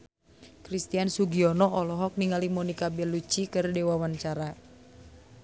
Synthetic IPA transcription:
kɾist̪iansuɡiɔnɔʔɔlɔɦɔk̚niŋalimɔnikabɛlut͡ʃikɨrdɛwawaɲt͡ʃaɾa

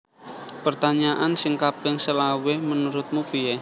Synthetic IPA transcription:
pərt̪aɲaʔansɪŋkapɪŋsəlawemənuɾʊt̪̚mupie

